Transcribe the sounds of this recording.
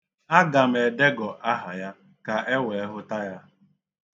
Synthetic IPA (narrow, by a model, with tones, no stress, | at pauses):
a˦ɡa˨m̩˨e˨de˦ɡɔ˨ʔa˦ɦa˨ja˦ | ka˨e˦we˨e˦ɦʊ˦ta˦ja˦